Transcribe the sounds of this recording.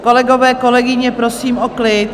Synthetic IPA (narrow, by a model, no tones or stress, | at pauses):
ko̞lɛɡo̞vɛːko̞lɛɡɪɲɛpɾo̞siːmʔoklɪt̪